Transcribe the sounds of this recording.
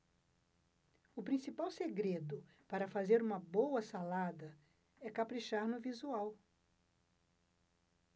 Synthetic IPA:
ʊpɾĩsipawseɡɾed̪ʊpaɾɐfazeɾũmɐbowɐsalad̪ɐ | ɛkapɾiʃaɾnʊvizuaw

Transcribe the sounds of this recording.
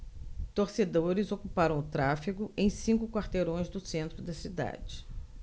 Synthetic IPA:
t̪oɾsed̪oɾɪzokupaɾɐ̃w̃ʊt̪ɾafiɡʊʔẽj̃sĩŋkʊkwaɾt̪eɾõj̃zd̪ʊsẽnt̪ɾʊd̪ɐsid̪a̰d͡ʒɪ

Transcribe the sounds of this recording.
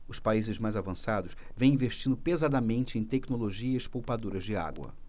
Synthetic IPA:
ʊspaizɪzmajzavɐ̃sad̪ʊʃ | vẽj̃ĩveʃt͡ʃĩnd̪ʊpezad̪ɐmẽnt͡ʃɪẽj̃t̪ɛknoloʒiɐɪʃpowpad̪uɾɐzd͡ʒɪa̰ɡwɐ̰

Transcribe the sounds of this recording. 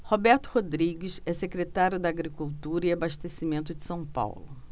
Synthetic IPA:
hobɛɾt̪ʊ̥hod̪ɾiɡɪsɛsekɾet̪aɾjʊd̪ɐːɡɾikuwt̪uɾɐiabaʃt̪esimẽnt̪ʊd͡ʒɪsɐ̃w̃pa̰wlʊ

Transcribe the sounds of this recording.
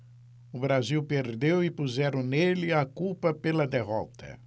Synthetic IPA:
ʊbɾaziwpeɾd̪ewɪpuzɛɾɐ̃nelɪakupɐpelɐd̪eɦɔ̰t̪ɐ̰

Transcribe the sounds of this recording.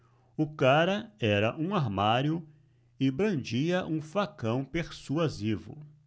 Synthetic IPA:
ʊkaɾɐɛɾɐʔũaɾmaɾjʊ | ɪbɾɐ̃nd͡ʒiɐʔũfakɐ̃w̃peɾsuazivʊ̰

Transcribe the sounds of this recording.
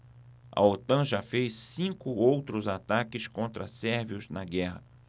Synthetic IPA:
ɐ̰ot̪ɐ̃ʒafejsːĩkʊowt̪ɾʊzat̪akɪskõnt̪ɾɐsɛɾviʊznɐɡɛɦɐ

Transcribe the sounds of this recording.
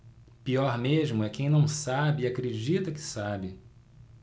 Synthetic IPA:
piɔɾmeʒmʊɛkẽj̃nɐ̃w̃sabɪːakɾed͡ʒit̪ɐkɪ̥sabɪ

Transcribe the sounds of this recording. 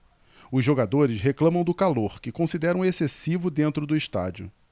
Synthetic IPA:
ʊzʒːoɡad̪oɾɪsɦeklɐ̃mɐ̃w̃d̪ʊkaloɾkɪkõsid̪ɛɾɐ̃w̃esesivʊd̪ẽnt̪ɾʊd̪ʊiʃt̪a̰d͡ʒʊ̰

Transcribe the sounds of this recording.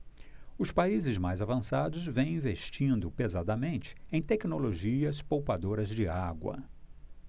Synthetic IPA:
ʊspaizɪzmajzavɐ̃sad̪ʊzvẽj̃ĩveʃt͡ʃĩnd̪ʊpezad̪ɐmẽnt͡ʃɪ̥ẽj̃t̪ɛknoloʒiɐspowpad̪oɾɐzd͡ʒɪaɡwɐ̰

